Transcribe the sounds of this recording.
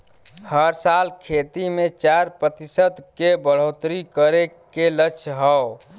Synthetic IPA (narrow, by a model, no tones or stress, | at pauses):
həɾsalkʰet̪imẽt͡ʃaɾpɾət̪isəd̪kebəɽ̤ot̪ɾikəɾe | kelət͡ʃʰɦə